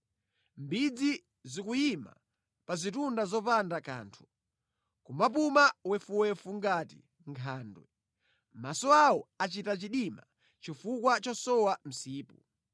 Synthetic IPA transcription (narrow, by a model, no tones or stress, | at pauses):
mbid͡zi | zikujima̰ | pazitundazɔpandaka̰ːntʰu̥ | kumap̬umawɛfuwɛfuŋɡatḭ | ŋkʰaːndwɛ | masɔawɔat͡ʃitat͡ʃiɗima | t͡ʃifukwat͡ʃɔsɔwam̩siːpu